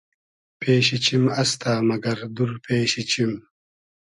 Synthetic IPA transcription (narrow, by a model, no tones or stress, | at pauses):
peːɕit͡ɕimɐst̪aːmɐɡɐɾd̪uɾpeːɕit͡ɕim